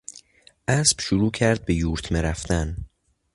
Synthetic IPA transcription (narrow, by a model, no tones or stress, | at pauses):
ʔæsb̥ʃoɾuːcʰæɾd̪̚be̞juːɾt̪ʰmeɾæft̪æn